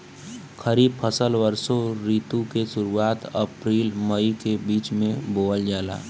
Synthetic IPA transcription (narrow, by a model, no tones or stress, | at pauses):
kʰəɾiːb̚pʰəsəlʋəɾsoɾiːt̪ũkeʃʊɾuaːt̪ɐpɾiːlməikebiːt͡ʃmẽboːld͡ʒaːla̰ː